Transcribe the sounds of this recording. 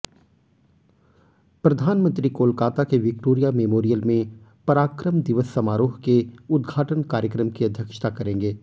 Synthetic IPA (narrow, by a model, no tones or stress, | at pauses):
pɾɐd̪ʱaːnmə̃nt̪ɾikoːlkaːt̪akeʋɪk̚ʈoːɾijameːmoːɾijəlmẽpɐɾaːkɾəmd̪ɪʋəsːɐmaːɾoːɦkeʊd̪ɡʱaːʈənkaːɾjəkɾəmkiɐd̪ʱjəkʃt̪ʰakɐɾẽːŋɡeː